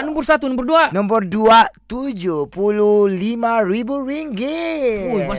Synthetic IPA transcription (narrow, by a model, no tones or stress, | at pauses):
nɔmbɔrsat̪unɔmbərduanɔmbərduat̪ud͡ʒuhpuluhlimaribuɾiŋɡiujbas